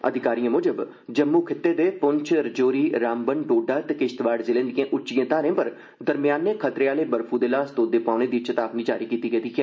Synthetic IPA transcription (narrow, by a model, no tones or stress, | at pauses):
ə̰d̪ʱɪkaːɾijãːmoːd͡ʒəb | d͡ʒəmːuːkʰɪt̪ːeːd̪eːpʊɲt͡ʃʰɾəd͡ʒoːɾiːɾaːmbənɖoːɖaːt̪ekɪʃt̪ʋaːɖzɪlẽːnd̪ijãːʔʊt͡ʃʃijãːt̪aːɾẽːpəɾ | d̪əɾmɪjaːnːeːkʰət̪ɾeːaːleːbəɾpʰũːd̪eːlaːst̪oːd̪eːpaːɽ̃eːd̪it͡ʃət̪aːpniːd͡ʒaːɾiːkiːt̪iːɡəːd̪iːkʰiãː